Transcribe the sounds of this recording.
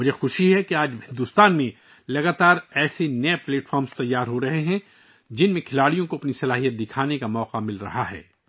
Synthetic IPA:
mʊd͡ʒʱexʊʃiɦɛkeaːd͡ʒɦɪ̃nd̪ʊst̪aːnmẽ | lɐɡaːt̪aːɾɛːsenɐɛpleːʈfɔːɾmst̪ɐjːaːɾɦoɾɐɦeɦɛ̃ | d͡ʒɪnmẽkʰɪlaːɽijõkoɐpnisɐlaːɦijət̪̚d̪ɪkʰaːnekamɔːqamɪlɾɐ̰ɦaɦɛ̰ː

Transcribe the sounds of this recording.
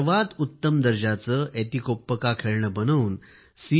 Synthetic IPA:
ʋad̪ut̪ːəmd̪əɾd͡ʑat͡səːʔet̪ikopːəkakʰeɾɳəbənəwn | si

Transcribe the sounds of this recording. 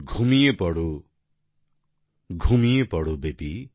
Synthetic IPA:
ɡʱumijepɔɽu | ɡʱumijepɔɽubepi

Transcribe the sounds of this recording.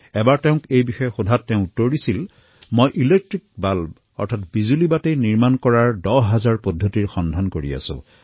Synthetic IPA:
ɛbaɹtɛʊ̃kejbixɔjɛxudʱatːɛʊ̃utːoɹdisil | mojʔilek̚tɹik̚balb | ɔ̰ɹtʰatbizulibatejniɹmankɔɹaɹdɔɦazaɹpodʱːotiɹxɔndʱankoɹḭa̰sʊ̰̃

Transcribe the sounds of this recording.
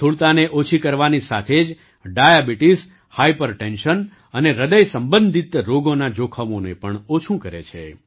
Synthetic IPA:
t̪ʰuɭt̪aneʔot͡ʃʰikəɾʋanisa̰t̪ʰed͡ʒ | ɖajabiʈis | haipəɾʈenʃən | əneɾəd̪əjsəmbə̃nd̪ʱit̪ɾoɡonad͡ʒokʰəmonepəɳot͡ʃʰũkəɾḛt͡ʃʰḛ

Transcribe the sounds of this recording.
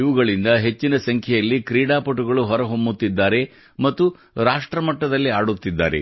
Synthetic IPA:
iʋuɡɐɭind̪ɐɦe̞t͡ʃːinɐsɐŋkʰjɛjɐlːikɾiːɽaːpɐʈuɡɐɭuɦɔɾɐɦombut̪ːid̪ːaːɾe̞ | mɐt̪ːu | ɾaːʂʈɾɐmɐʈːɐd̪ɐlːiaːɽut̪ːid̪ːa̰ːɾe̞̰

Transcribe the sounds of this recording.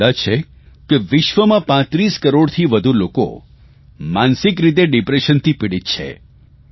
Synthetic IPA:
at͡ʃʰe | keʋɪʃʋəmãpãt̪ɾiskəɾoɽt̪ʰiʋəd̪ʱuloko̰ | mansɪkɾit̪̬eɖɪpɾeʃənt̪ʰipiɽit̪t͡ʃʰḛ

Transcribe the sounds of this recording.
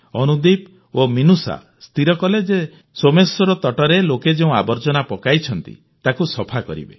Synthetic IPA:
ɔnud̪ip | ominusa̰ | st̪iɾɔkɔled͡ʒe | somesɔɾɔt̪ɔʈɔɾeloked͡ʒeũabɔɾd͡ʒɔnapɔkajt͡ʃʰɔnt̪ḭ | t̪akusɔpʰakɔ̰ɾḭbḛ

